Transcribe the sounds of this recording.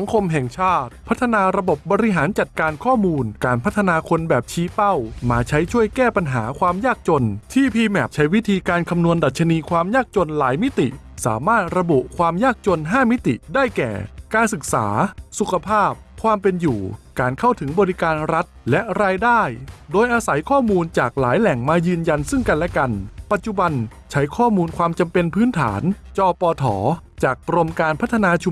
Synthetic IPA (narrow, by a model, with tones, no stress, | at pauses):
sa˩˦ŋkʰo˧mɦɛ˨˩ŋt͡ɕʰaː˥˩t̪̚pʰa˦˥t̪ʰːa˧naː˧ɾa˧bo˨˩p̚bɔː˧ɾi˦˥ɦaː˩˦nt͡ɕa˨˩t̪̚kaː˧nkʰɔː˥˩muː˧nkaː˧npʰa˦˥t̪ʰːa˧naː˧kʰo˧nbɛː˨˩p̚t͡ɕʰiː˦˥pa˥˩wmaː˧t͡ɕʰa˦˥jt͡ɕʰu˥˩əjkɛː˥˩pa˧nɦa̰ː˩˦kʰwaː˧mjaː˥˩k̚t͡ɕo˧nt̪ʰiː˥˩pʰiː˧mɛ˨˩p̚t͡ɕʰa˦˥jwi˦˥t̪ʰiː˧kaː˧nkʰa˧mnu˧ənda˨˩t̪̚t͡ɕʰa˧niː˧kʰwaː˧mjaː˥˩k̚t͡ɕo˧nlaː˩˦jmi˦˥t̪ḭ˨˩ | sa̰ː˩˦maː˥˩t̪̚ɾa˧bu˨˩kʰwaː˧mjaː˥˩k̚t͡ɕo˧nɦaː˥˩mi˦˥t̪ḭ˨˩daː˥˩jkɛ̰ː˨˩kaː˧nsɯ˨˩k̚sa̰ː˩˦su˨˩kʰa˧pʰaː˥˩p̚kʰwaː˧mpe˧njuː˨˩kaː˨˧nkʰa˥˩wt̪ʰɯ˩˦ŋbɔː˧ɾi˦˥kaː˧nɾa˦˥t̪̚lɛ˦˥ʔɾaː˧jdaː˥˩jdoː˧jʔaː˧sa˩˦jkʰɔː˥˩muː˧nt͡ɕaː˨˩k̚la̰ː˩˦jlɛ˨˩ŋmaː˧jɯː˧nja˧nsɯ˥˩ŋka˧nlɛ˦˥ka˧npa˨˩t̪̚t͡ɕu˧˩ba˧n | t͡ɕʰa˦˥jkʰɔː˥˩muː˧nkʰwaː˧mt͡ɕa˧mpe˧npʰɯː˦˥nt̪ʰa̰ː˩˦n | t͡ɕɔː˧pɔː˧t̪ʰɔ̰ː˩˦ | t͡ɕaː˨˩k̚pɾo˧mkaː˧npʰa˦˥t̪ʰːa˧naː˧t͡ɕʰu˧